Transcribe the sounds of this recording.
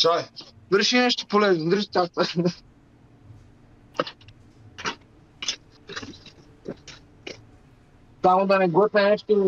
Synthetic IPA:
t͡ʃavəɾʃinɛʃt̪o̥polɛznod̪ɾʒt̪ast̪a | t̪amod̪anɛɡɔt̪nɛnɛʃt̪o

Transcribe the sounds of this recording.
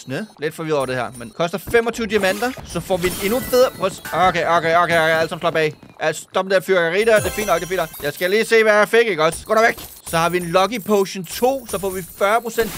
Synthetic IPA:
nøle̝d̥fɒʋiðˠɒ̰ɐd̥e̝hæɐ̰menkʰɒ̽sd̥ɐfemɒt͡sʰyʊd̥iæmæn̰d̥ɐsɒ̽fɒ̰ːʋie̝nufeðˠɐpʰʁɛsokeokʰeokʰeoæl̰sɑmslɑb̥ɛ̰ɪ | æsd̥ɒ̽bmnd̥eɐfyɐɡ̥ɐʁḭːdæɐd̥e̝ɐfḭːndɒ̽ɡ̥d̥efḭn̥jɑ̈ɪsɡ̥æliːse̝̰ːʋæɐfeɡ̥eɡ̥ɒ̽sɡ̥ɔ̰ːɾɑ̈ʋeɡ̥ | sɒ̽hɑ̈ʋienlɒ̽ɡ̥ipʰoʊɕnt͡sʰo̝̰ːsɒ̽fɒ̰ːʋifɶɐpʰʁo̝sen̰d̥

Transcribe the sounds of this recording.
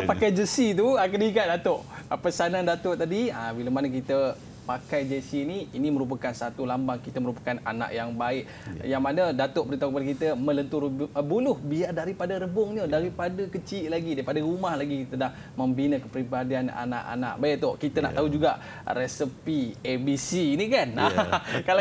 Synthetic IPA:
pakajd͡ʒəsit̪uakənikat̪̚dat̪oʔpəsanandat̪oʔt̪adiabiləmanak̬it̪ə | pakajd͡ʒəsiːniiniməɾup̬akansat̪ulambaŋkit̪əməɾupḁkana̰na̰ʔjaŋbaɪʔ | jaŋmanədat̪oʔbəɾit̪aukəpadəkit̪əmə̃lənt̪ʊrbulʊhbiardaɾipadəɾəbʊŋɲədaɾipadəkət͡ʃiʔlaɡidaɾipadəɾumahlaɡikit̪ədah | məmbinəkəpɾibadiana̰na̰ʔa̰na̰ʔbajiʔt̪okit̪əna̰ʔt̪aɦud͡ʒuɡaʔ | ɾɛsəpiɛbisinikanakala

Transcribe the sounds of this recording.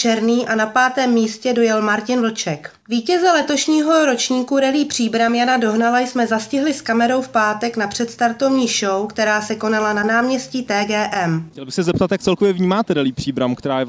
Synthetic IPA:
t͡ʃɛɾniːʔanapaːt̪ɛːmːiːscɛdo̞jɛlmaɾcɪnvl̩t͡ʃɛk | viːcɛzɛlɛt̪o̞ʃɲiːɦo̞ɾo̞t͡ʃɲiːkuɾɛliːpr̝̥iːbɾamjanado̞ɦnalajsmɛzascɪɦlɪskamɛɾo̞wfpaːt̪ɛknapr̥ɛt̪st̪aɾt̪o̞vɲiːʃowkt̪ɛɾaːsɛko̞nalananaːmɲɛsciːt̪ɛːɡɛːʔɛmcɛlbɪxsɛzɛp̚t̪at̪jak̚t͡sɛlkovjɛvɲiːmaːt̪ɛɾɛliːpr̥iːbɾamkt̪ɛɾaːjɛ

